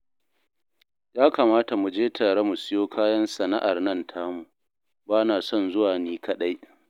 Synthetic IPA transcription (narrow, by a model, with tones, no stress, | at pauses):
jaː˦ka˨maː˦ta˨mu˨d͡ʒeː˦tʰa˨ɽa˦mʊ˨sɪ˦joː˦kʰaː˦jɐ˦nsɐ˨na˦ʔa˨rnɐ˦ntʰaː˦mu˨ | baː˦naː˨sɔ˦˨nzʊ˦waː˨neː˦kʰɐ˨ɗa˦j